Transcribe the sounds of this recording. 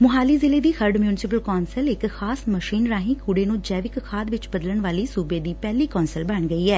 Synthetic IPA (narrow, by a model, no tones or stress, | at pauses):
mʊɦaːliːzɪleːd̪iːxʰəɾɖmjuːnɪsɪp̬əlkɔːnsəlɪkxaːsməʃiːnɾaːɦĩːkʰuːɽeːnũːd͡ʒɛːʋɪkkʰaːd̪ʋɪt͡ʃbəd̪ələɳʋaːliːsuːbeːd̪iːpɛːliːkɔːnsəlbəɳɡəiːɛː